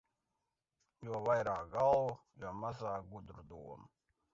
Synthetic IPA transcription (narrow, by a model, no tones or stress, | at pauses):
juɔʋajɾaːkɡal | jamazaːɡud̪ɾd̪uɔm